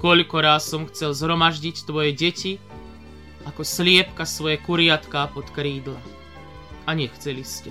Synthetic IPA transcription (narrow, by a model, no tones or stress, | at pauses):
kɔʎkɔɾaːsɔmxt͡sɛlzɦɾɔmaʒɟict̪ʋɔjɛɟɛci | akɔslɪɛpkasʋɔjɛkuɾɪat̪kaːpɔt̪kɾiːd̪la | aɲɛxt͡sɛliscɛ